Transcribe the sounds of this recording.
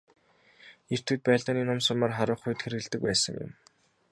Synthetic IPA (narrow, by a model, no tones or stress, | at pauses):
er̥t̪ʰuːt̪̚pæːɮɔːniːnʊmsʊmaːrχaɾʊ̆ːχʊj̆t̪xeɾɘ̆ɮt̪ɘ̆k̚pæːsə̰̆ŋjʊ̰m